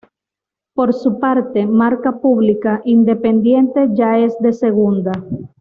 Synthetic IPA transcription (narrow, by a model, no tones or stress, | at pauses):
poɾsupaɾt̪e̞maɾkapuβlikaʔind̪e̞pend̪je̞nt̪e̞ʝaezd̪e̞seɣund̪a